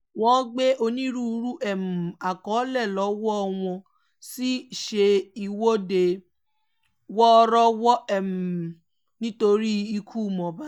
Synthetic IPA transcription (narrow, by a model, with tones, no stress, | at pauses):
w̃ɔ̃˦ɡ͡be˦ʔo˧nĩ˦ɾu˦˧˦ɾu˦ʔɛ˦˨m̩˨a˨kɔ˨˦lɛ˦˨lɔ˨˦wɔ˦ɔ˧w̃ɔ̃˧ | si˦ʃe˧i˧wo˦de˧ | wɔ˦˧˦ɾɔ˦wɔ˦ɛ˨m̩˨ | nĩ˦to˧ɾi˦i˧kʰu˦˨mɔ̃˨ba˦